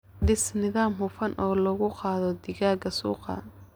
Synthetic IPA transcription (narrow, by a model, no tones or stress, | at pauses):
dɪsnɪðaːmhʊfɐnʔɔːlɐɣʊqɑːðɔd̪ɪɣaːɡɐsṵːqɑ̰